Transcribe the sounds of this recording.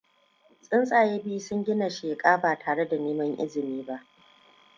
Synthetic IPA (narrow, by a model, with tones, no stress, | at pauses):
sʼɪ˦nsʼaː˨jeː˦biː˦sʊ˦ŋɡʲɪ˦na˨ʃeː˨kʼaː˦baː˨tʰaː˨ɽe˦da˨neː˦mɐ˦ŋʔɪ̰˦zɪ˨miː˦ba˦ʔ